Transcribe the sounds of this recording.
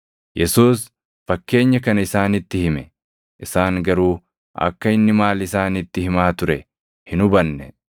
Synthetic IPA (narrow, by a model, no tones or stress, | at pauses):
jɛsuːs | fɐkːe̞ːɲːɐkɐnɐɪsaːnɪt̪ːɪhɪmɛ | ʔɪsaːŋɡɐɾuː | ɐ̰kːɐɪnːɪmaːlɪsaːnɪt̪ːɪhɪmaːt̪ʊɾɛ | hɪnʊbɐnːɛ